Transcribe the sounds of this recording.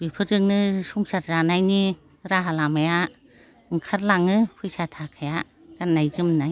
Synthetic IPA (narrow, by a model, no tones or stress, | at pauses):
bipʰɯɾɯŋnɯsuŋsaɾzanajni | ɾaɦalamaja | ɯŋkʰaɾlaŋɯpʰɯjsatʰakʰaja | ɡanːajzɯmnaj